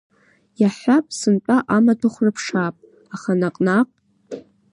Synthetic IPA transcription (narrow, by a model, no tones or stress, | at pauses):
jaħʷapʼsɨnt͡pʷʼaʔamadʰʊχʷrɨpʰʂaːpʼ | aχanaqʼnaqʷʼ